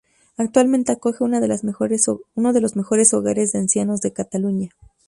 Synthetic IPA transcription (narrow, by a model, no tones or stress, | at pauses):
ak̚t̪walment̪e̞ako̞xe̞unaðel | uno̞ðe̞lozme̞xo̞ɾe̞so̞ɣaɾe̞zðeansjanozðe̞kat̪aluɲa